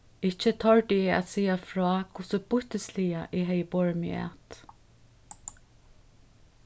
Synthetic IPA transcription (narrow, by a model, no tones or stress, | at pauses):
ɪt͡ʃːət̪ʰɔɹʈɪɛa̰t̪siːafɹɔːkʰʊsəbʊht̪əsliːaʔɪɦɛjəbɔɹmɪ̰ɛ̰t̪